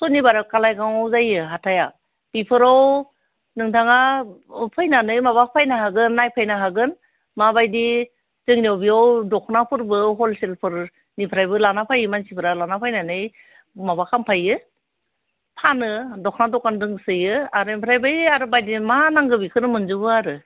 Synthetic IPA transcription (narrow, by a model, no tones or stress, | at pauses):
sɔnibaɾakalajkʰaŋɔwzajɯɦatʰaja | b̥ipʰɯɾaw | nɯŋtʰaŋapʰɯjnanɯjmaβapʰajnahaɡɯnːajpʰajnaɦaɡɯn | mabajdi | zɯŋniawbiawdɔkʰnapʰɯɾbɯɦɔlselpʰɯɾ | nipʰɾajbɯlanapʰajɯmansipʰɯɾalanapʰajnanɯj | mabakʰampʰajɯ | pʰanɯdɔkʰnadɔkandɯŋsɯjɯaɾɯnipʰɾajbɯjaɾɯbajdimanaŋɡɯbikʰɯnɯmɯnzɯbɯaɾɯ